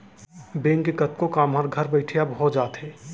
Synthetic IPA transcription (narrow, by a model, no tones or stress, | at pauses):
bẽːŋkekət̪̚kokaːmɦaɾɡʱəɾbɛɪʈʰijabɦod͡ʒaːt̪ɦɛː